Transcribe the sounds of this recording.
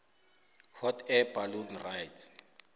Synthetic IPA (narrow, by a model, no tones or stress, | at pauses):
hɔtʰɛbalunrajtʰ